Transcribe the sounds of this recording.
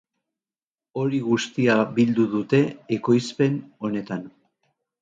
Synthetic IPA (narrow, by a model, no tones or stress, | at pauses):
o̞ɾiɣust̪iabild̪uðut̪e̞ːko̞jspe̞no̞ne̞t̪an